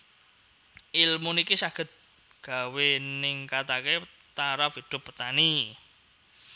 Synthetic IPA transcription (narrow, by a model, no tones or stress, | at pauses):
ʔilmunikisaɡ̥ə̤t̪̚ | ɡ̥a̤wenɪŋkat̪ake | t̪aɾafid̪̥ʊ̤pːət̪ani